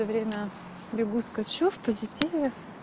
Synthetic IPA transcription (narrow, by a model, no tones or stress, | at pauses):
əvɾʲemʲə | bʲɪɡuskɐt͡ɕufpəzʲɪtʲivʲe